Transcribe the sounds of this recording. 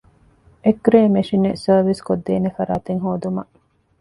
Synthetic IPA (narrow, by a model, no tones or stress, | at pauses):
ʔekɾeːmeʂinesɐːʋiskod̪ːeːnefɐɾa̰ːt̪eŋɦoːd̪umɐʔ